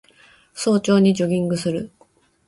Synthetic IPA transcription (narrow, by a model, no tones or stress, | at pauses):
so̞ːt͡ɕo̞ːɲ̟id͡ʑo̞ɡʲĩŋɡɯ̟sɨɾɯ